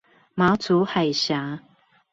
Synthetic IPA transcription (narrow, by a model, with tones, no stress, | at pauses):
ma˨˥t͡su˨˦ha˨˩ɪɕja˨˦